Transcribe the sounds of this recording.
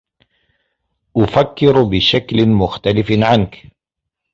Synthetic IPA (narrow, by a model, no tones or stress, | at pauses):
ʔʊfakːɪɾbɪʃaklɪmʊxt̪alɪfʕank